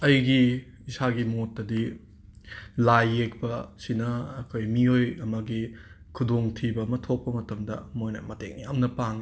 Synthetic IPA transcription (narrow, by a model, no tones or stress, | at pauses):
ɐjɡi | isaɡimotːɐdi | lajːek̚pɐsinɐːkʰojmiojɐmɐɡi | kʰudoŋtʰibɐmɐtʰok̚pɐmɐtɐmdɐ̰mojnɐ̰mɐtḛŋniɐmnɐpaŋi